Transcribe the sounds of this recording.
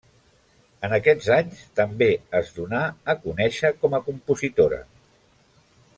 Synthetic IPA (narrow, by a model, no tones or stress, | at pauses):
ənəkɛd͡zaɲst̪əmbeəzðunaəkunɛʃəkɔməkumpuzit̪oɾə̰